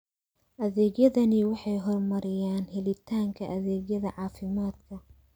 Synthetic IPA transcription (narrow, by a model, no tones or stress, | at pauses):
ʔɐðɛːɣjɐðɐnɪwɑħɑjɦɔrmɐɾɪjaːnhɛlɪt̪ʰaːŋkʰɐʔɐðɛːɡjɐðɐʕɑːfɪmaːd̪kʰɐ